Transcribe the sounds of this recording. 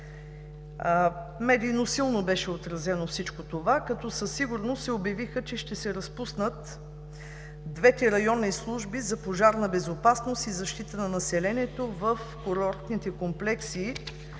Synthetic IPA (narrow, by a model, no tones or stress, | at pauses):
mɛd̪iːnosilˠnobɛʃɛot̪ɾɐzɛnofsit͡ʃkot̪ovakɐt̪ɔsəsːiɡʊɾnossɛobɐvixət͡ʃɛʃt̪ɛsɛɾɐspusnət̪ | d̪vɛt̪ɛɾɐjɔnːislˠuʒbizɐpoʒaɾnɐbɛzopasnost̪izɐʃt̪it̪ənɐnɐsɛlɛnʲiɛt̪ovəfkoɾɔɾt̪nit̪ɛkomplɛksiː